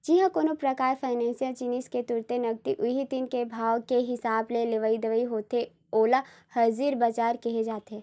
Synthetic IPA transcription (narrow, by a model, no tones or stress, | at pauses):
d͡ʒiːɦãkoːnopɾɐkaːɾfʰaːɪnɛ̃ːnsijəlt͡ʃiniːsket̪ʊɾt̪enɐɡ̚t̪iʔʊɦit̪inkebʱaːwkeɦɪsaːbleleʋəid̪əʋəiɦoːt̪e | oːla | hɐziːɾbɐd͡ʒaːɾkiɦed͡ʒaːt̪ɦɛ̃ː